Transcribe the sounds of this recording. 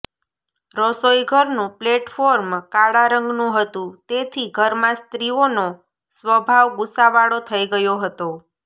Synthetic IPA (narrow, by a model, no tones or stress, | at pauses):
ɾɔsojɡʱəɾnũpleʈfoɾmkaɽaɾəŋɡnũɦət̪ũt̪et̪ʰiɡʱəɾmãst̪ɾiono | sʋəbʱaʋɡʊsaʋaɽot̪ʰəiɡəjoɦət̪o